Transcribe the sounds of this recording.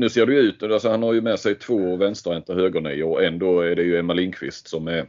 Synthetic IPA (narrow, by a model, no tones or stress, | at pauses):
nʉ̟ːseːɖɵjɵʉ̟ːt̪alsɔhanhaɾjɵmɛsɛjt̪ʰvoːvɛnst̪ɾɛnt̪əhøːɡəɳiɔɛnd̪oːæɖɛjɵɛmːaliːnkʰvɪ̰st̪sɔmæɾ